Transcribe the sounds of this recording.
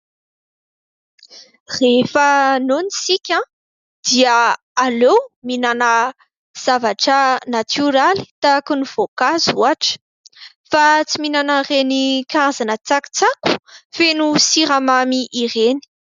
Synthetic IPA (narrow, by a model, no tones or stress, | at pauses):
refənonisikʲã | d̪̥iəː | lominanə | z̥avaʈ͡ʂənat̪ʰuɾali̥t̪akuniv̥okazuaʈ͡ʂə̥ | fat͡siminanarenikaazanət͡saku̥t͡saku̥fenusiɾamamiʔːreni̥